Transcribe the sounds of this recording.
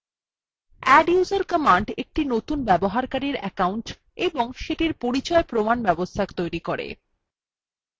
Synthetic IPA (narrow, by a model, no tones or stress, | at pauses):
ɛɖjuzaɾkəmaɳɖek̚ʈinot̪unbɛboɦaɾkaɾiɾɛ̰kawɳʈ | eboŋʃeʈiɾpoɾit͡ɕɔepɾomanbɛbost̪ʰakt̪ojɾikoɾḛ